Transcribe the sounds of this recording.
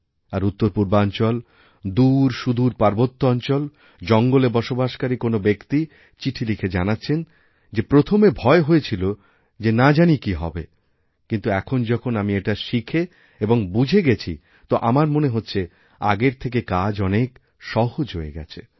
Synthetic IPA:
aɾut̪ːoɾpuɾbaɔnt͡ɕɔl | d̪uɾʃud̪uɾpaɾbot̪ːoɔnt͡ɕɔl | d͡ʑɔŋɡolebɔʃobaʃkaɾikonobekt̪i | t͡ɕiʈʰilikʰed͡ʑanatːɕʰen | d͡ʑepɾot̪ʰomebʱɔeɦoet͡ɕʰilo | d͡ʑenad͡ʑanikiɦɔ̰be | kint̪uɛkʰond͡ʑɔkʰonamieʈaʃikʰe | eboŋbud͡ʑʱeɡet͡ɕʰi | t̪oʔamaɾmoneɦotːɕʰe | a̰ɡeɾt̪ʰek̬ekad͡ʑɔnek | ʃɔɦod͡ʑɦoeɡɛ̰t͡ɕʰḛ

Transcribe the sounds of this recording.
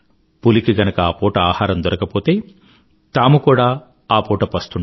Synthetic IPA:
pulikiɡɐnɐkɐaːpoːʈɐaːhaːɾɐmd̪ɔɾɐkɐpoːt̪e̞ː | t̪aːmukuːɽaː | aːpoːʈɐpɐst̪uɳ

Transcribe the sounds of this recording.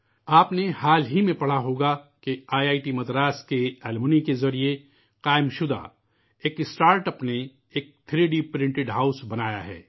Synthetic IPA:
aːpnehaːlɦimẽpɐɽ̤aɦoːɡakeaːjaːɪʈimɐd̪ɾaːskeɛːlmʊnikezɐɾie | qaːɪmʃʊd̪a̰ | eːkɪsʈaːɾʈəpne | eːk̚t̪ʰɾeːɖipɾɪ̃ɳʈɪɖɦaːʊsbɐnaːja̰ɦɛ̰ː

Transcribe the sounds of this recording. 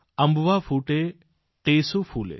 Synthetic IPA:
ɐmbʋafʰuːʈe | ʈeːsufʰuːlḛ

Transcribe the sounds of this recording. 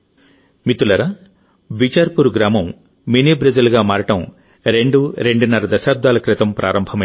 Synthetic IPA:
mit̪ulɐɾa | ʋit͡ʃaːɾpuɾɡɾaːmɐm | miniːbɾɐd͡ʒɐlɡaːmaːɾɐʈɐm | ɾe̞ɳɖuɾeɳɖunːɐɾɐd̪ɐʃaːb̚d̪ʱaːlɐkɾɪt̪ɐmpɾʔa̰ːɾɐmbʱɐmɐ

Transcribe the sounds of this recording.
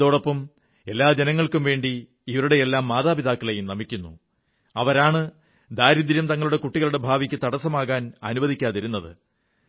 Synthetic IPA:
o̞ːɽopːɐm | e̞lːaːd͡ʑe̞nɐŋːɐɭkumʋe̞ːɳɖiː | ʋɐɾuɽeelːaːmːaːðaːpiðaːkːɐɭejumnɐmikʲːunːṵ | ɐʋɐɾaːɳɨ | d̪aːɾid̪iɾjɐmt̪ɐŋːɐɭuɽe̞kuʈːiɣɐɭuɽe̞bʱaːʋikʲːɨt̪ɐɽɐsːɐmaːɣaːnɐnubɐðʱikʲːaːðiɾunːɐðɨ̰

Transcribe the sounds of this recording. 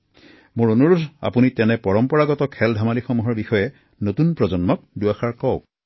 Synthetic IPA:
mʊɹonuɹudʱa̰punitɛnɛpɔɹɔmpɔɹaɡɔtɔkʰɛldʱamalixɔmuɦɔɹbixɔjɛ | notunpɹɔzɔnmɔk̚duaxaɹkɔʊ

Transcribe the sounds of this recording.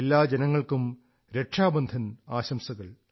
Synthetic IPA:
elːaːd͡ʑenɐŋːɐɭkum | ɾe̞ʈʂaːbɐnd̪ʱɐnaːɕɐmsɐɣɐɭ

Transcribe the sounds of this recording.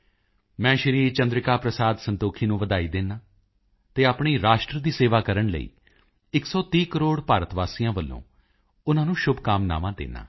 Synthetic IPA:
mɛ̃ːʃɾiːɾt͡ʃə̃nd̪ɾɪkaːpɾəsaːd̪sənt̪oːkʰiːnũːʋəd̪aːiːd̪eːnaː | t̪eːaːpɳiːɾaːʃʈɾəd̪iːseːʋaːkəɾəɳlə̰ḭː | ɪksɔːt̪iːkəɾoːɽpaːɾət̪ʋaːsiːjãːʋəlːõ̰ː | ʊnãːnũːʃʊbkaːmna̰ːʋãːd̪ḛːna̰ː

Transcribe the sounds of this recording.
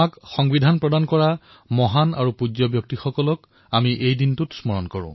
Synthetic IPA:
akxɔŋbidʱanpɹɔdankɔɹa | mɔɦana̰ɹupud͡ʒɔbjɔk̚tixɔkɔlɔk | amiʔejdintutsmɔɹɔnkɔɹʊ̰̃

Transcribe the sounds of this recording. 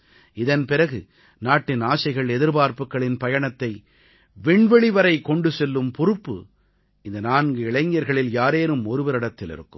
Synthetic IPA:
ɪðɐnpɪɾɐɣɯ | naːʈːɪnaːsɐɪɣɐɭɛðɪɾbaːɾpɯkːɐɭɪnpɐjɐɳɐt̪ːɐɪ | ʋɪɳʋɛɭɪʋɐɾɐɪkːɔɳɖɯsɛlːɯmpʊɾɯpːɯ̰ | ɪnd̪ɐnaːnɡɯɪɭɐɪŋjɐɾɣɐɭɪljaːɾeːɾɯmɔɾɯʋɐɾɪɽɐt̪ːɪlɪ̰ɾɯ̰kːɯm

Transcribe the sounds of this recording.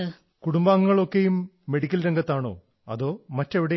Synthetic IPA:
kuɽumbaːŋuːɐɭo̞kːejumː | eɽikʲːɐlɾeŋɡɐt̪ːaːɳo̞̰ː | ɐ̰ðo̞ːmɐtːeʋiɽe

